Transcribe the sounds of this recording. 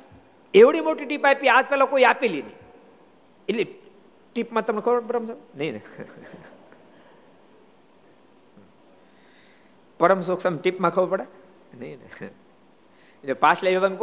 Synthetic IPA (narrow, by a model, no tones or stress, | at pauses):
eʋɽimoʈiʈipapiad͡ʒpɛlakoiapelinə̰ĩ | eli | ʈipmãt̪ɐmnekʰəpɽpɐɾəmsəmnɐĩn̰ | pəɾəms̬oksəmʈipmãkʰəʋopəɽa | nɐin̰ | d͡ʒopaslaʋiʋənko